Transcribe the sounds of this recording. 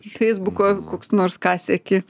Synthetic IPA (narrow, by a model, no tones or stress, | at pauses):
fʲɛɪzbʊkoːkoːksnoːɾskɑːsʲɛkʲɪ